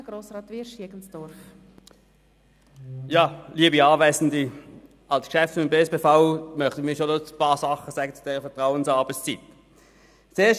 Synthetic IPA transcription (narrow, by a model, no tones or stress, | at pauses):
ɡ̥ɾoːsʁɑːt̪vɪʃiəɡ̥ən̩sd̥ʊɾf | jɑːliːəbiɑːvɛɪzn̩di | ɑlskʃɛftɪmbeːsb̥eːfaʊmœχtənmiːɐʃonospɑːsɑχəsɛːɡət͡sud̥eːʁəfɛɐtʁaʊənsɑːɐbəst͡sit̪ | t͡seːɐʃ